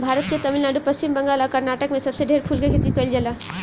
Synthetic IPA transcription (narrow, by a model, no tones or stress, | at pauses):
bʱaɾət̪ket̪əmilnaɖupəsimbəŋɡalakəɾnaːʈəkmẽsəbseɖʱeɾpʰulkekʰet̪ikəjld͡ʒela